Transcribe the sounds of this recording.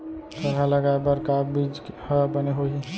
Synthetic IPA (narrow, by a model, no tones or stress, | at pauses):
t̪əɾaləɡabəɾkabid͡ʒhəbəneɦoɦi